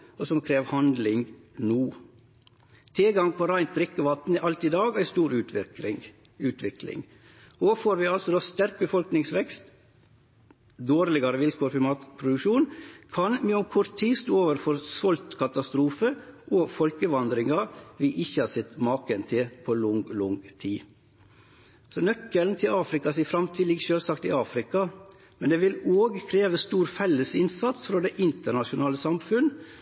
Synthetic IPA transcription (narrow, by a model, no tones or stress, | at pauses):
ɔsɔmkʰɾeːʋhɑnd̪lɪŋnuː | t̪ʰɪlɡɑŋpʰɔɾæɪnt̪̚d̪ɾɪkːɔʋɑt̪nəʔɑlt̪ɪd̪ɑːɡæɪst̪uːɾʉːɪŋ | ʉːt̪ʋɪklɪ̰ŋ | ɔfoːɾʋɪɑlsɔd̪ost̪æɾk̚bəfɔlknɪŋsʋɛkst̪ | d̪oːɾlɪɡɑɾəʋɪlkʰoːɾfɪmɑːt̪pʰɾʊd̪ʉkʃuːnkʰɑnmyːʊmkʰʊɾt̪ʰiːst̪uːoːʋəɾfɔɾsʋɔlt̪kʰɑt̪ɑst̪ɾuːfəʔoːfɔlkəʋɑnd̪ɾɪŋɑʋɪʔɪçːəhɑsɛt̪mɑːkənt̪ʰɪpʰoːlʊŋlʊŋt̪ʰiː | sɔnœkːəlnt̪ʰɪlɑːfɾɪkɑsiːfɾɑmt̪ʰiːlɪɡʃøːlsɑkt̪ɪɑːfɾɪkɑ | mɛnd̪eːʋɪloːɡkʰɾeːʋəst̪uːɾfɛlːəsɪnsɑt̪sfɾoːd̪eːʔɪnt̪əɳɑʃʊnɑːləsɑmfʉn